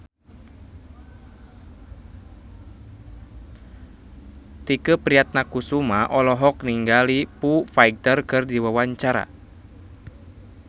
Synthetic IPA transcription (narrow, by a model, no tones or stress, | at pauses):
t̪ikəpɾiat̪̚nakusumaʔɔlɔɦɔkniŋɡalipufajɡ̚t̪ərkɨrdiwawaɲt͡ʃaɾa̰